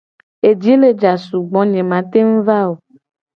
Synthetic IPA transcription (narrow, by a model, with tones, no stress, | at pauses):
e˨d͡ʒi˦le˦d͡ʒa˨su˨ɡ͡bɔ̃˨˦ɲẽ˨mã˨t̪e˦ŋ̩˦va˦o˨